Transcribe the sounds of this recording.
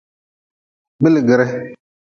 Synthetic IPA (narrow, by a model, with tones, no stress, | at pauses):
bɪ˦lɡɪ˨ɾɛ˦